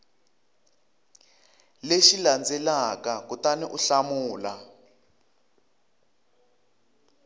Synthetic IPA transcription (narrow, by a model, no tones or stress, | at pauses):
leʃiland͡zɛlakakutaniʔuɬamuːla